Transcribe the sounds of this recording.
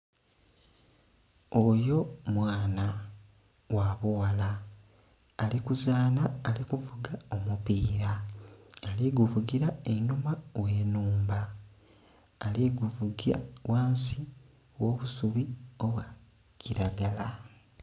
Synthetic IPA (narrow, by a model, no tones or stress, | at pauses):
ojo̞mwaːna | waːβuwalaː | likuzaːnaːlikuvuɡao̞mupiːɾaː | liɡuvuɡiɾaenumaweːnuːmba | liɡuvuɡia̰wʔaːnsi | wo̞ːβusuβio̞βwa | ciɾaɡala